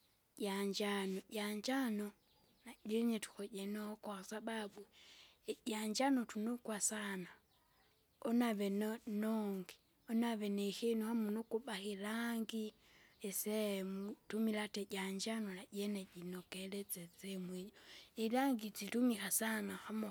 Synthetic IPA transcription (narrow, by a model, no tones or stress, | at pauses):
ɟaɲd͡ʒanoɟaɲd͡ʒano | naɟɛɲetu̥xɔɟɛnokwasababu | ɟaɲd͡ʒanotunokwasana | onaβɛnnɔŋɡi | onaβenexenohamunokubaxilaːŋɡi | esemutumilateɟaɲd͡ʒanonaɟeneɟinokelet͡set͡semwejoilaːŋɡit͡situmixasanaxamo